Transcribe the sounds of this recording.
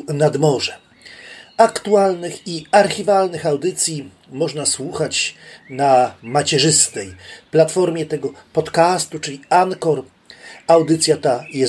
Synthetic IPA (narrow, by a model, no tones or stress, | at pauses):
nad̪mɔʐɛ | akt̪ualnɘxiaɾxʲivalnɘxawd̪ɘt̪sʲji | mɔʐnaswuxat͡ɕnamat͡ɕɛʐɘst̪ɛjplat̪fɔɾmʲjɛt̪ɛɡɔpɔt̪kast̪ut͡ʂɘlʲiankɔɾ | awd̪ɘt̪sʲjat̪ajɛ